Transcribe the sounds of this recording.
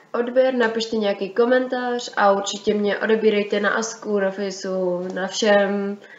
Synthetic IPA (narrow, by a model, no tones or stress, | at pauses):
ʔo̞dbjɛɾnapɪʃt̪ɛɲɛjakiːko̞mɛnt̪aːr̝̥ʔauɾt͡ʃɪcɛmɲɛʔo̞̰dɛbiːɾɛjt̪ɛna̰ʔaskuːɾofɪsunafʃɛm